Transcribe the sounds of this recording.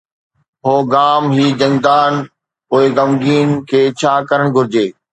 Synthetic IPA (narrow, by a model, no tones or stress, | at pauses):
ɦoːɡaːmɦiːd͡ʑɐ̃ŋd̪aːn | ʊːeɡɐmɡiːnkʰeːt͡ɕʰaːkɐɾəɽ̃ɡʱʊɾɪd͡ʑeː